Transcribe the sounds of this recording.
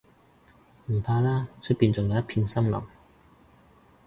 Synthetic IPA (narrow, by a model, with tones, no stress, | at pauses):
m̩˨˩pʰaː˧laː˥t͡ʃʰɵ˥t̚piː˨˩nt͡sʊ˨ŋjɐ˨˧˦jɐ˥t̚pʰiː˧nsɐ˥mlɐ̰˨˩ŋ